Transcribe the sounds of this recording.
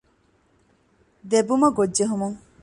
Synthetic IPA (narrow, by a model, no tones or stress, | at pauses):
d̪ebumɐɡoːeɦumuŋ